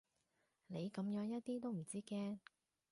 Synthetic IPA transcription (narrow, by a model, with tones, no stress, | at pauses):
ne˨˧jkɐ˨˧˥mjœː˨˧˥ŋjɐ˥t̚t̪iː˥t̪̬o˥wm̩˨˩t͡siː˥kɛː˥